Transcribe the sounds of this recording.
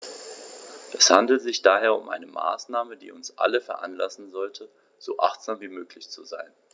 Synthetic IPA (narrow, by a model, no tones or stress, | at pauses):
ʔɛshandl̩tz̥ɪçd̥aːɦeːɐʊmʔa̰ɪnəma̰ːsnaːmədḭːʊnsʔa̰ləfɛɐʔa̰nlasn̩zɔltʰə | z̥oːʔa̰χtz̥aːmviːmøːklɪçt͡suzaɪn